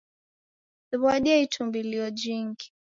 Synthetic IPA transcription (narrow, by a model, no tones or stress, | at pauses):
siβwaɗɛitumbiliɔd͡ʒiŋɡi̥